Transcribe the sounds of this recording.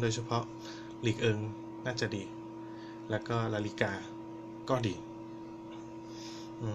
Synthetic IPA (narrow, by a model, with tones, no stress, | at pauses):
doː˧jt͡ɕʰa˧pʰɔ˦˥ʔ | liː˨˩k̚ʔɤː˧ŋ | naː˥˩t͡ɕa˨˩ʔdiː˧ | lɛː˦˥wkɔː˥˩ɾaː˧li˦˥kaː˧ | kɔː˥˩diː˧˩ | ʔɯː˧